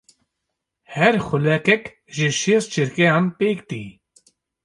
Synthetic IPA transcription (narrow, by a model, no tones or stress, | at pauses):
hɛɾxʊlɛkɛk | ʒɪʃest͡ʃʰiɾkejaːnpeːkt̪ḭ